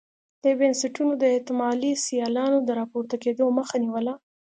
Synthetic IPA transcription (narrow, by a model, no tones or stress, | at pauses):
d̪̥əbɪnsɪʈunod̪əet̪ɪmɑlisijɑlɑnod̪əɾɑpoɾt̪aked̪oməxaniwəla